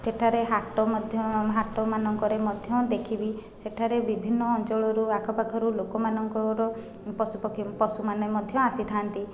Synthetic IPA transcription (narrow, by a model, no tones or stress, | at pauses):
seʈʰaɾeɦaʈɔmɔd̪ʱjɔɦaʈɔmanɔŋkɔɾemɔd̪ʱjɔd̪ekʰibiseʈʰaɾebibʱinːɔːnt͡ʃɔɭɔɾuakʰɔpakʰɔɾulokɔmanɔŋkɔɾɔ | pɔsupɔkʰpɔsumanɔemɔd̪ʱjɔasit̪ʰant̪i